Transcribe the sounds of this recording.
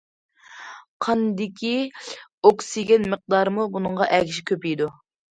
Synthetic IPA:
qʰɑnd̪ɪkʲʰi | oksiɡʲɛnməq̚d̪ɑɾmubunɨɴʁɑʔɛkʲʰiʃɪ̥kʲøpijd̪u

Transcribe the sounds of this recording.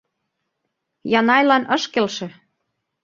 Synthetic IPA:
jɑnɑjlɑnɤ̆ʃkelʃĕ

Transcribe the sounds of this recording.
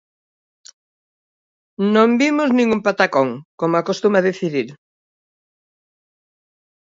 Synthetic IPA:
nõmbimʊznĩŋumpat̪akoŋkomakost̪umaðeθiðiɾ

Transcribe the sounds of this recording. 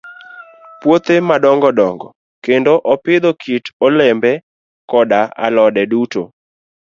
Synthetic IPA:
pwot̪emadɔŋɡɔdɔŋɡɔ̰ | kendoʔɔpɪd̪okʰitolɛmbɛ | kɔdaa̰lɔdɛduto̰

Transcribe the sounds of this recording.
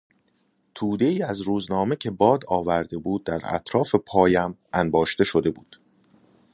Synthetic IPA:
t̪ʰuːd̪e̞iːæzɾuːznɒːme̞cʰe̞bɒːd̪ɒːvæɾd̪e̞buːd̪̚ːæɾæ̰t̪ʰɾɒːfe̞pʰɒːjæmʔænbɒːʃt̪e̞ʃo̞d̪e̞buːd̪̥

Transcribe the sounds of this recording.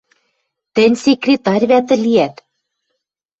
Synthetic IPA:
t̪ɘ̆nʲsʲekrʲet̪ɑrʲβæt̪̬ɘ̆liæt̪

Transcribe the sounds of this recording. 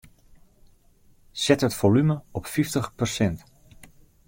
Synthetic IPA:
sɛtətfolyməɔpfiftəχpərsɛnt

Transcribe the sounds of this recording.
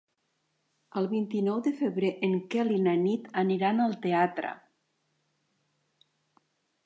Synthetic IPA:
əlˠβint̪inɔwd̪əfeβɾeʔeŋkɛlinanit̪əniɾanalˠt̪eat̪ɾə̰

